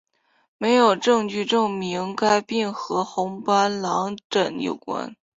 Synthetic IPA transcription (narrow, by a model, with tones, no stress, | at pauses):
me˧˥ɪjo˨˩ʊʈ͡ʂɤ˥˧ŋt͡ɕy˥˧ʈ͡ʂɤ˥˩ŋmi˧˥ŋka˥ɪpi˥˩ŋxɤ˧˥xʊ˧˥ŋpa˥nlɑ˧˥ŋʈ͡ʂə˨˩njo̰˨˩ʊkwa̰˥n